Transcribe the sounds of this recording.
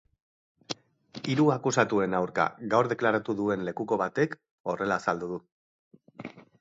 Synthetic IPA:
iɾuakusat̪ue̞nawɾka̰ɣawɾðe̞klaɾat̪uðue̞nle̞kuko̞β̞at̪e̞k | o̞re̞laːsald̪uðu

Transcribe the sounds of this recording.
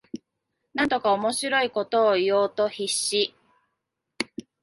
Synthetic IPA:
nãnt̪okaomo̞ɕiɾo̞iko̞t̪o̞ːijo̞ːt̪o̞çiɕːi

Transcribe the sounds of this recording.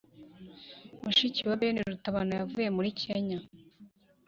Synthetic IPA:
muʃiciwaβeniɾutaβanajavuje̞muɾikʰeɲa

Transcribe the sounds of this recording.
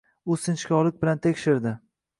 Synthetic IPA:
ʊsɪnt͡ʃkʲɒlˠɪk̚ʲbɪlant̪ʰekʲʃɪɾd̪ɪ

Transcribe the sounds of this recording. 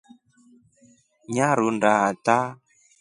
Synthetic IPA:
ɲaɾundaata

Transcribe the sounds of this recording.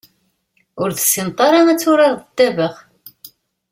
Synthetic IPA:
ʊɾθə̥sːint̪ˤɑɾˤɑnæt͡sːʊɾɑɾðəd̪ːævəʁ

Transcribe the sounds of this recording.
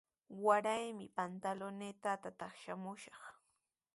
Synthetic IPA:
waɾajmɪpant̪alonet̪at̪at̪ɑχʃamʊʃɑχ

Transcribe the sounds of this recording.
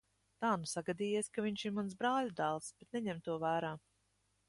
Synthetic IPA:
t̪aːnusaɡad̪iːjiskaviɲʲʃiɾmansbɾaːlʲud̪aːlˠsb̥et̪nɛɲɛmt̪uɔvæːɾaː

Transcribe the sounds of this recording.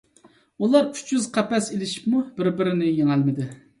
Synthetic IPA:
ulˠɑɾyt͡ʃjyzqʰæpɛselɪʃi̥pmubɪɾbɪɾɪnɪjeŋælmɪd̪ɪ

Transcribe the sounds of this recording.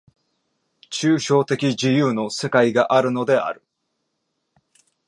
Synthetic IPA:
t͡ɕɨːɕo̞ːt̪e̞kʲid͡ʑijɯ̟ːno̞se̞kaiɡaʔaɾɯ̟no̞d̪e̞a̰ɾɯ̟

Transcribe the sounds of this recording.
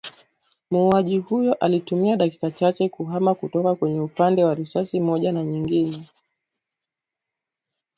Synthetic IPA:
muːaʄihujɔʔalitumiaɗaki̥kat͡ʃat͡ʃɛkuɦamakutɔkakwɛɲɛupandɛwaɾisasimɔʄanaɲiŋɡinɛ

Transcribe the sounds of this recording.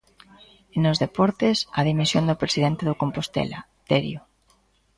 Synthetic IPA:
enozðepɔɾt̪ɪsɐðimisjond̪ʊpɾesiðent̪eðokompost̪ḛla | t̪eɾjo

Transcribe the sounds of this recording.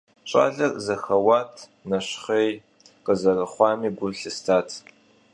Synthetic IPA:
t͡ʃʷʼa̰ːɮɐrzɐxɐwaːtʰ | nɐɕχej | qəzɐrɨχʷɑːmiːɡʷʊɬɨstʰaːtʰ

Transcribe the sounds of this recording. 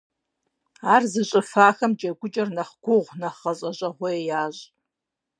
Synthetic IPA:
aːrzɨɕʼɨfaːxɐmd͡ʒʼɐɡʷʊt͡ʃʼɐrnɐχɡ̥ʷʊʁʷnɐχɐɕʼɐɕʼɐʁʷɔejaːɕʼ

